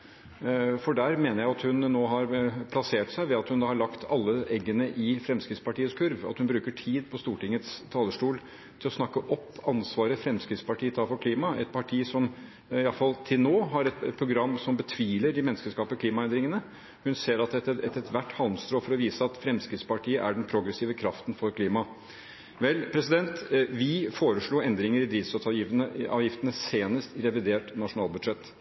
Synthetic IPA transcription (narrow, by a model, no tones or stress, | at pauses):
fɔɖæːɾmeːnəɾjæɪɑt̪hʉnnoːɦɑɾpʰlɑseːʈsæɪʋɛɑt̪hʉnd̪ɑhɑɭɑkt̪ʰɑlːəɛɡːənəʔɪfɾɛmskɾɪt̪spɑʈiːəskʰʉɾʋɑt̪hʉnbɾʉːkəʈʰiːd̪pʰɔst̪uːʈɪŋːət̪st̪ʰɑːləʂʈuːl | t̪ʰɪlɔsnɑkːəʔɔpːɑnsʋɑːɾəfɾɛmskɾɪt̪spɑʈʰiːət̪ʰɑːfɔɾkʰliːmɑɛt̪̚pʰɑʈʰiːsɔm | ɪɑlfɑlt̪ʰɪlnoːɦɑɾɛt̪̚pʰɾʊɡɾɑmːsɔmbət̪ʰʋiːləɖɪmɛnskəʂkɑːpəkʰliːmɑɛnd̪ɾɪŋənə | hʉnseːɾɑt̪ɛəɛt̪ɛt̪ʰʋæʈːhɑlnst̪ɾoːfɔɾɔʋiːsəɑt̪fɾɛmskɾɪt̪spɑʈiːəʔæɖɛnpʰɾʊɡɾɛsiːʋəkʰɾɑft̪nfɔɾkʰliːmɑ | ʋɛlpʰɾɛsɪd̪ɛnt̪ʋɪfoːɾəʂɭuːɛnd̪ɾɪŋəɾɪd̪ɾiːʋsɔt̪ʰɑjɪnəɑːʋjɪft̪ənəseːnəst̪ɪɾɛʋɪd̪eːʈnɑʂʊnɑːlˠbʉd̪ʂɛt̪ː